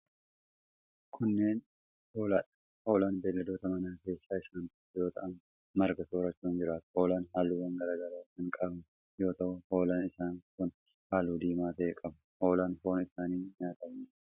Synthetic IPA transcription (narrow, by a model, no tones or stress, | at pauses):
kʰʊnːe̞ːn | ho̞ːlaːᶑɐ̥ | ho̞ːlaːnbe̞ːlːɐd̪o̞ːt̪ɐmɐnaːke̞ːsːaːɪsaːnbeːlːd̪o̞ːt̪ɐ̰ʔɐn | mɐɾɡɐt̪oːɾɐt͡ʃːuːnd͡ʒɪɾaːt̪ʊ̥ho̞ːlaːnɦaːlːuːwɐŋɡɐɾaːɡɐɾaːkɐnkʼɐbnɐ | jo̞ːt̪ɐʔʊho̞ːlaːnɪsaːŋkʊn | haːlːuːd̪iːmaːt̪ɐʔekʼɐbʊho̞ːlaːnfo̞ːnɪsaːniːɲaːt̪ʼɐbnɪ